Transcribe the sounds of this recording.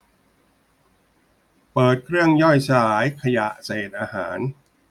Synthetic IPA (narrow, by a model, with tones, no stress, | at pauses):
pɤː˨˩t̪̚kʰɾɯ˥˩əŋjɔ˥˩jsʰaː˩˦jkʰa˧ja˨˩ʔseː˨˩t̪̚ʔaː˧ɦaː˩˦n